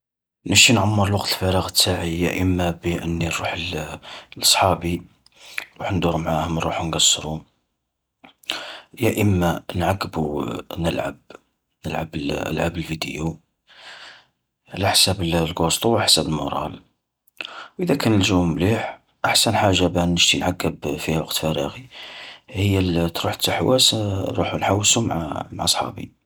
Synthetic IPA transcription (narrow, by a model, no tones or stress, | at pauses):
nəʃinʕamːəɾˤlwɑqt̪ʰəlfæɾɑɣət̪ːaʕijæ̰ʔəmːæbiʔənːiɾˤuħəllʔɑsˤħɑbi | ɾˤuħnd̪uɾmʕahʊməɾuħnɡɑsːɾu | jæʔəmːanʕaɡːəbunəlʕa̰b | nəlʕa̰bəlʔə̰lʕabəlfid̪əju | ʕlaħsæbəllɡost̪ˤuwħsæbəlmo̰ɾˤɑ̰l | wʔəðækʰænəlʒummliħ | ʔaħsænħaʒːabænːəʃt̪inʕaɡːəbfihwɑqt̪fæɾɑɣi | həjːəlt̪ɾuħət̪ːəħwæ̰sɾˤuħunħawːsumʕmaʕɑsˤħɑ̰bḭ